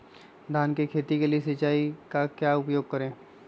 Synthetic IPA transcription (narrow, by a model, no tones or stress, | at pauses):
d̪ʱaːnkekʰeːt̪ikeliesɐt͡ʃaːikakjaːʊpjoːɡ̚kɐɾẽː